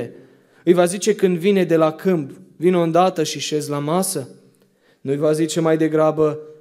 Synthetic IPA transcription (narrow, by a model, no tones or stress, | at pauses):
e | ɨjvazit͡ʃe̞kɨnd̪vine̞d̪e̞lakɨmbvino̞nd̪at̪əʃiʃe̞zʲlamasə | nujvazit͡ʃe̞majd̪e̞ɡɾabə